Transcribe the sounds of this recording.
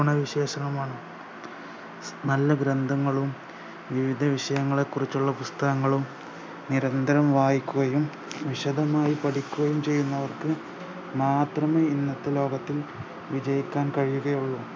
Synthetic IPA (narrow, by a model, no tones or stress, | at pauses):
ɳɐʋiɕeːɕɐnɐmaːɳɨ | nɐlːɐɡɾɐnd̪ʱɐŋːɐɭum | ʋiʋid̪ʱɐʋiʂɐjɐŋːɐɭe̞kːurit͡ɕːuɭːɐpust̪ɐɣɐŋːɐɭum | niɾɐnd̪ʱɐɾɐmʋaːjikʲːuɣɐjum | ʋiɕɐd̪ʱɐmaːjipɐʈikʲːuɣɐjumt͡ɕe̞jːunːɐʋɐrkɨ | maːt̪rɐmeinːɐt̪ːɐlo̞ːɡɐt̪ːil | ʋid͡ʑɐjikʲːaːnkɐɻijuɣɐjuɭːu